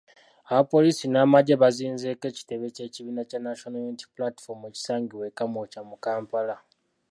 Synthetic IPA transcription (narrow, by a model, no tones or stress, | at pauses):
aβapo̞liːsinaːmaɟeβaziːnze̞ke̞ːci̥te̞βe̞ce̞ciβiːnacanaʃonojuniti̥plati̥fo̞meci̥saːŋɡiwe̞kamocamukaːmpala